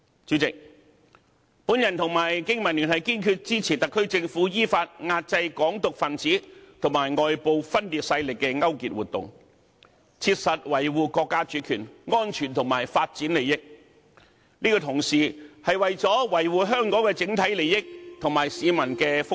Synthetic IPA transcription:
t͡ʃyː˨˥t͡sɪ˨k̚ | pu˨˥njɐ˨˩nt̪ʰʊ˨˩ŋmaː˨˩jkɪ˥ŋmɐ˨˩nlyː˨˩nhɐ˨˩jkiː˥nkʰy˧t̚t͡siː˥t͡sʰiː˨˩t̪ɐ˨kʰːɵ˥ɥt͡sɪ˧ŋfuː˨˥jiː˥faː˧t̚ŋaː˧t̚t͡sɐ˧jkɔː˨˥ŋt̪ʊ˨k̚fɐ˨˩nt͡siː˨˥t̪ʰʊ˨˩ŋmaː˨˩jŋɔː˨jpo˨˧wfɐ˥nliː˧t̚sɐ˧jlɪ˨kːɛ˧ŋɐ˥wkḭː˨˧t̚wuː˨t̪̚ʊ̰˨ŋ | t͡sʰiː˧t̚sɐ˨t̚wɐ˨˩jwuː˨˧kɔː˧kːaː˥t͡ʃyː˨˥kʰyː˨˩nŋɔː˥nt͡ʃʰyː˨˩nt̪ʰʊ˨˩ŋmaː˨˩jfaː˧t̚t͡siː˨˥nle˨jɪ˥k̚ | niː˥kɔ˧t̪ʰʊ˨˩ŋsiː˨hɐ˨jwɐ˨jt͡sɔː˨˥wɐ˨˩jwuː˨ɦœː˥ŋkɔː˨˥ŋkɛ˧t͡sɪ˨˧˥ŋt̪ʰɐ˨˥jle˨jɪ˥k̚t̪ʰʊ˨˩ŋmaː˨jsiː˨mɐ˨˩nkɛː˧fʊ˥

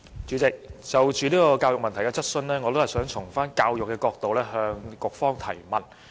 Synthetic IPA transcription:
t͡ʃyː˨˧˥t͡sɪ˨k̚t͡sɐ˨wt͡ʃyː˨liː˥kɔː˧kaː˧wjʊ˨k̚mɐ˨nt̪ʰjkɛː˧t͡sɐ˥t̚sɵ˧nlɛː˥ŋɔː˨˧t̪o˥hɐ˨jsœː˨˥ŋt͡sʰʊ˨˩ŋfaː˥nkaː˧wjʊ˨kːɛː˧kɔː˧k̚t̪o˨wlɛː˥ɦœː˧ŋkʊ˨k̚fɔː˥ŋt̪ʰɐ˨˩jmɐ˨˩n

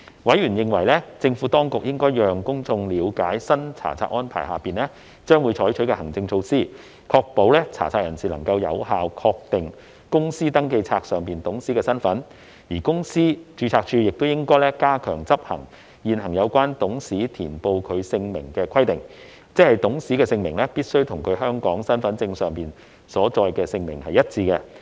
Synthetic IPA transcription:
wɐ˨˥jɥyː˨˩njɪ˨˧ŋwɐ˨˩jlɛː˥t͡sɪ˧ŋfuː˨˥t̪ɔː˥ŋkʊ˨k̚jɪ˥ŋkɔː˥jjœː˨ŋkʊ˥ŋt͡sʊ˧ŋliː˨˧wkaː˨˥jsɐ˥nt͡sʰa̰ː˨˩t͡sʰa̰ː˧k̚ʔɔː˥npʰa̰ː˨˩jhaː˨˩piː˨˩nlɛː˥ | t͡ʃœː˥ŋwuː˨˧jt͡ʃʰɔː˨˥jt͡ʃʰɵ˨˥kɛ˧hɐ˨˩ŋt͡sɪ˧ŋt͡sʰo˧wsiː˥ | kʰɔː˧k̚po˨˥wlɛː˥t͡sʰa̰ː˨˩t͡sʰaː˧k̚jɐ˨˩nsiː˨lɐ˨˩ŋkɐ˧wjɐ̰˨˧whaː˨wkʰɔː˧k̚t̪ɪ˨ŋ | kʊ˥ŋsiː˥t̪ɐ˥ŋke˧jt͡sʰaː˧k̚sœː˨ŋpiː˨nt̪ʊ˨˥ŋsiː˥kɛː˧sɐ˥nfɐ˨˥n | jiː˨˩kʊ˥ŋsiː˥t͡ʃyː˧t͡sʰaː˧k̚t͡ʃʰyː˧jɪ˨k̚t̪o˥wjɪ˥ŋkɔː˥jlɛː˥kaː˥kʰœː˨˩ŋt͡sɐ˥p̚hɐ̰˨˩ŋ | jiː˨˧nhɐ˨˩ŋjɐ˨˧wkʷaː˥nt̪ʊ˨˥ŋsiː˨˥t̪ʰiː˨˩npo˧wkʰɵ˨˧ɥsɪ˧ŋmɪ̰˨˩ŋkɛː˧kʰɐ˥jt̪ɪ˨ŋ | t͡sɛ˥khɐ˨˩jt̪ʊ˨˥ŋsiː˨˥kɛː˧sɪ˧ŋmɪ˨˩ŋlɛː˥piː˥t̚sɵ˥wt̪ʰʊ˨˩ŋkʰɵ˨˧˥ɥɦœː˥ŋkɔː˨˥ŋsɐ˥nfɐ˨˥nt͡sɪ˧ŋsœː˨ŋpiː˨˩n | sɔː˨˥t͡sɔː˧jkɛː˧sɪ˧ŋmɪ˨˩ŋhɐ˨jɐ˥t̚t͡sʰiː˧kɛ˧

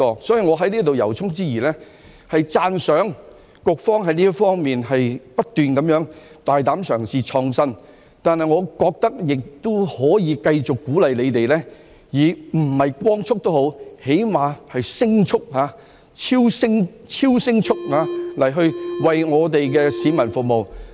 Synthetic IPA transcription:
ɔː˧sɔː˨˥jiː˨ŋɔː˨˧ɦɐ˨˥jliː˥t̪o˨wjɐ˨˩wt͡sʰʊ˥ŋt͡siː˥jiː˨˩lɛː˥ | hɐ˨jt͡saː˧nsœː˨˥ŋ | kʊ˨˧k̚fɔː˥ŋɦɐ˨˧jniː˥jɐ˥kfɔː˥ŋmiː˨nɦɐ˨jpɐ˥t̚t̪yː˨nkɐ˨˦mjœː˨˥ŋ | t̪aː˨jt̪aː˨˥msœː˨˩ŋsiː˨t͡ʃʰɔː˧ŋsɐ˥n | t̪aː˨nhɐ˨jŋɔː˨˧kɔː˧k̚t̪ɐ˥k̚jɪ˨k̚t̪o˥hɔː˨˥jiː˨˧kɐ˧jt͡sʊ˨kːuː˨˥lɐ˨jle˨˧jt̪e˨jlɛː˥ | jiː˨m̩˨˩hɐ˨jkʷɔː˥ŋt͡sʰʊ˥k̚t̪o˥wɦo˨˧˥whe˨˥jmaː˨˧hɐ˨jsɪ˥ŋt͡sʰʊ˥k̚ɦaː˨˧˥ | t͡sʰiː˥wsɪ˥ŋ | t͡sʰiː˥wsɪ˥ŋt͡sʰʊ˥k̚haː˨˧lɐ˨˩jɦɵ˧ɥwɐ˨jŋɔː˨˧t̪e˨jkɛ˧siː˨˧˥mɐ˨˩nfʊ˨k̚mo˨w

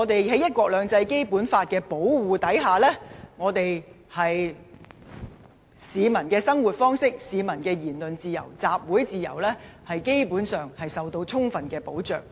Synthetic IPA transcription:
ŋː˨˧t̪e˨jhɐ˨˥jɐ˥t̚kʷɔː˧k̚lœː˨˧ŋt͡sɐ˧jke˥jpuː˨˥nfaː˧t̚kɛː˧po˨˥wwuː˨t̪ɐ˨˥jɦaː˨lɛː˥ŋɔː˨˧t̪e˨j | hɐ˨j | siː˨˧mɐ˨˩nkɛː˧sɐ˥ŋwuː˨t̚fɔː˥ŋsɪ˥k̚siː˨˧mɐ˨˩nkɛː˧jiː˨˩nlɵ˨nt͡siː˨˧jɐ̰˨˩wt͡saː˨p̚wuː˨˥jt͡siː˨jɐ̰˨˩wlɛː˥hɐ˨jke˥jpuː˨˥nsœː˨ŋhɐ˨jsɐ˨wt̪o˧wt͡sʰʊ˥ŋfɐ˨nkɛː˧po˨˥wt͡ʃœ̰ː˨˩k̚

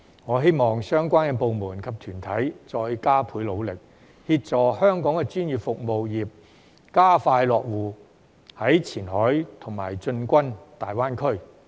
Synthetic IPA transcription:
ŋɔː˨˧ɦe˥jmɔː˨ŋsœː˥ŋkʷaː˥nkɛ˧po˨wmuː˨˩nkʰɐ˨p̚t̪ʰyː˨˩nt̪ʰɐ˨˥jt͡sɔː˧jkaː˥pʰuː˨˥jlo˨˧wlɪ˨k̚ | hiː˧t̚t͡sɔː˨hœː˥ŋkɔː˨˥ŋkɛ˧t͡ʃyː˥njiː˨˩p̚fʊ˨k̚mo˨wjiː˨˩p̚ | kaː˥faː˧jlɔː˨k̚wuː˨˩ | hɐ˨˥jt͡sʰiː˨˩nhɔː˨˥jt̪ʰʊ˨˩ŋma̰ː˨˩jt͡sɵ˧nkʷɐ˥nt̪aː˨jwaː˥nkʰɵ˥ɥ

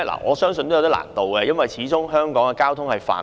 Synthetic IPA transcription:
la̰ː˨˩ŋɔ̰ː˨˧sœː˥ŋsɵ˧nt̪o˥jt̪i˥la̰ː˨˩nt̪o˨wkɛ˧jɐ˥nwɐ˨jt͡sʰiː˨˥t͡sʊ˥ŋɦœː˥ŋkɔː˨˥ŋkɛ˧kaː˥wt̪ʰʊ˥ŋhɐ˨jfa̰ː˨˩

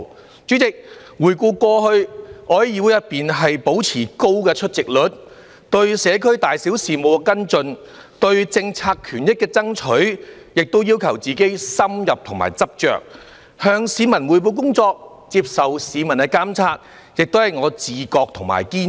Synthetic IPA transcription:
t͡syː˨˥t͡sɪ˨k̚ | wuː˨˩jkuː˧kʷɔː˧hɵ˧ɥʔɔː˨˥jiː˨˧wu˨˥jɐ˨˩t̚piː˨nɦɐ˨jpo˨˥wt͡sʰiː˨˩ko˥wkɛː˧t͡ʃʰɵ˥t̚t͡sɪ˨k̚lɵ˨˥t̚ | t̪ɵ˧ɥsɛː˨˧kʰɵ˥ɥt̪aː˨jsi˨˥wsiː˨mo˨˧wkɛ˧kɐ˥nt͡sɵ˧n | t̪ɵ˧ɥt͡sɪ˧ŋt͡sʰaː˧kkʰːyː˨˩njɪ˥kːɛː˧t͡sɐ˥ŋt͡ʃʰɵ˨˥ɥ | jɪ˨k̚t̪o˥wjiː˥wkʰɐ˨˩wt͡siː˨˩ke˥jsɐ˥mjɐ˨p̚t̪ʰʊ˨˩ŋma̰ː˨˩jt͡sɐ˥p̚t͡ʃœ̰ː˨k̚ | hœː˧ŋsiː˨˧mɐ˨˩nwuː˨˩jp̬o˨˧wk̬ʊ˥ŋt͡sɔː˧k̚ | t͡siː˧p̚sɐ˨wsiː˨˧mɐ˨˩nkɛ˧kaː˥mt͡sʰaː˧t̚ | jɪ˨k̚t̪o˥whɐ˨˩jŋɔː˨˧t͡siː˨kɔː˧k̚t̪ʰʊ˨˩ŋma̰ː˨˩jkiː˥

